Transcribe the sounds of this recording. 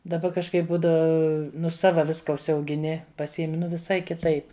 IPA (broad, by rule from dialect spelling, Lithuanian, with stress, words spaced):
dɐˈbɐ kɐʃˈkɐɪp ˈbuːdɐ ˈnʊ ˈsɑːʋɐ ˈʋʲɪskɐ ʊʃʲsʲɛʊɡʲɪˈnʲɪ pɐˈsʲiɛmʲɪ ʋʲɪˈsɐɪ kʲɪˈtɐɪp